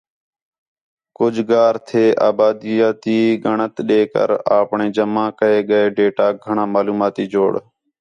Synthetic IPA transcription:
kʊd͡ʒʱɡaːɾt̪ʰeːʔa̰ːbaːd̪iːjaːt̪iːɡəɳət̪ɗeːkə̰ɾaːpɳeːd͡ʒəmãːkəeːɠəeːɖeːʈaːɡʱəɳãːmaːluːmaːt̪iːd͡ʒoːɽ

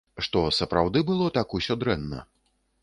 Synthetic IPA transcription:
ʂt̪ɔsɐpɾawd̪ɨbɨlˠɔt̪akusʲɔd̪ɾɛnːɐ̰

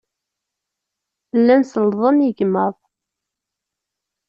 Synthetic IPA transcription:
lːænsəlðˤənjəɡməðˤ

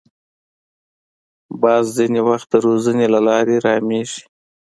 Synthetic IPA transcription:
bɑzzinewaxt̪̚d̪əɾozənelalɑɾeɾɑmeʒi̥

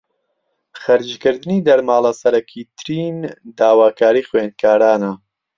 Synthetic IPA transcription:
χɐɾd͡ʒkɨɾd̪ɨniːd̪ɐɾmaːlˠɐsɐɾɐkʰiːt̪ʰɨɾiːnd̪aːwaːkʰaːɾiːxweːnkʰaːɾaːnɐ

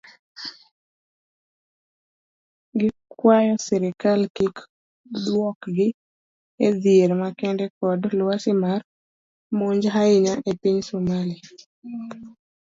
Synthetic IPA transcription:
ɡɪkwajɔsɛɾɪkalkik | d̪wɔkɡɪ | ed̪jeɾmakɛndɛkɔdlwasɪmar | moɲd͡ʒɦaɪɲaʔepiɲsumali

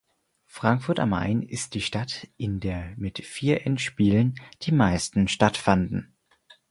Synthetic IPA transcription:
fʁ̥aŋkfʊɐta̰mːa̰ɪnɪ̰st̚d̥iːʃtatʔɪndeːɐmɪtfiːɐʔɛntʃpiːlənd̥iːmaɪstn̩ʃtatfandn̩

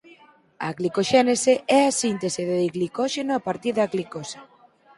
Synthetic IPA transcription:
a̰ɣlikoʃɛneseɛasint̪eseðeðiɣlikɔʃenoapaɾt̪iðɐɣlikosa

